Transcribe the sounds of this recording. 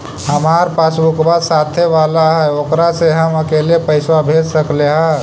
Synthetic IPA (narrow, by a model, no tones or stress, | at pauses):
həmaːɾpasbʊkbasaːt̪ʰeʋaːlaɦɛokɾaseɦəməkeːlepəɪswabʱed͡ʒsəkleɦɛ̃